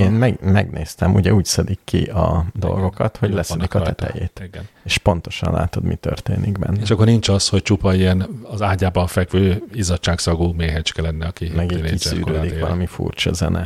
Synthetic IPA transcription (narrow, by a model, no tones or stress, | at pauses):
eːnmɛɡmɛɡneːst̪ɛmuɟɛuːcsɛd̪ikːiɒd̪o̞̰lɡo̞kɒt̪ho̞ɟlɛsɛd̪ikɒɛt̪ɛjḛːt̪neːʃpo̞nt̪o̞ʃɒnla̰ːt̪o̞d̪mit̪ørt̪eːniɡbɛ̰nːeʃɒkːornint͡ʃɒsho̞c̚t͡ʃupɒiɛnɒzaːɟaːbɒnfɛkʋøːizɒtt͡ʃːaːksɒɡumeːɦɛt͡ʃkɛlɛnːɛɒkimɛɡiissy̰ːɾøːd̪ikʋɒ̰lʔɒmifṵːrt͡ʃɒzɛnɛ